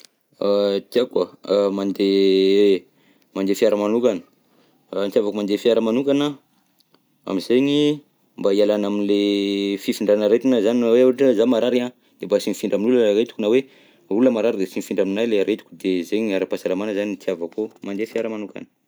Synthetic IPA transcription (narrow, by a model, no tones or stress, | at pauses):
at̪iakwamand̪e | mand̪efiaɾəmanukanə̥ | nt̪javakomand̪efiaɾəmanukanə | a̰mizeɲi | mbaialanaminlefifiɳɖ͡ʐanaɾet̪inəzaniweaaʈ͡ʂəzamaɾaɾia | d̪̥embasinifiɳɖ͡ʐaminuləɾet̪u̥kunawe | uləmaɾaɾid̪esinifiɳɖ͡ʐaminajleaɾʔet̪u̥kud̪ezeɲaɾapasalamanəzanint̪iavakomand̪efjaɾəmanuka̰nə̥